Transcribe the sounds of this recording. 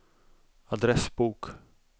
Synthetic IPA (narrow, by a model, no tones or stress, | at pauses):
ad̪ɾɛsbuːk